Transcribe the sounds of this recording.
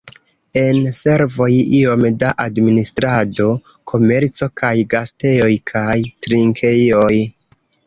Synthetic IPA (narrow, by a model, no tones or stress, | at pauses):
e̞nse̞ɾvo̞jio̞mdaʔadministɾado̞ | kʰo̞me̞ɾt͡so̞kajɡaste̞jo̞jkʰajtɾiŋkʰe̞jo̞j